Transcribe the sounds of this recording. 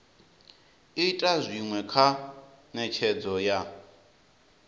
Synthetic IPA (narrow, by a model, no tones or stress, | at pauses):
itʼazʷiŋwɛkʰa | nɛt͡ʃʰɛd͡zɔja